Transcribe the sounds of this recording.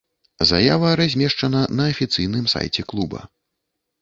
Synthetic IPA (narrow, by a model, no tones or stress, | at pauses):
za̰javɐɾazʲmʲɛʂt͡ʂɐnɐnɐːfʲit̪sɨjn̪ɨmsa̰jt͡sʲɛklˠubɐ̰